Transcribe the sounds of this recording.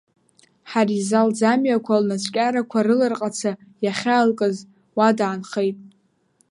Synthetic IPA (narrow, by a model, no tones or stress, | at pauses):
ħarizald͡zamɥakʷʰalnasʷʰʼkʲʼaɾakʷʰaɾɨlɨrqʼat͡sʰajaχʲaːlkʼɨz | wadaːnχejtʼ